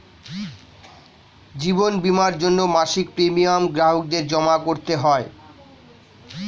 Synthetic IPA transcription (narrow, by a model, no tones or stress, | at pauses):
d͡ʑibonbimaɾd͡ʑonːomaʃik̚pɾemiamɡɾaɦok̚d̪eɾd͡ʑɔmakoɾt̪eɦɔe